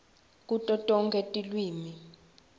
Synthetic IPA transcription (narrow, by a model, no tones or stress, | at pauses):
kʼutʼɔtʼɔŋkʼetʼilwiːmi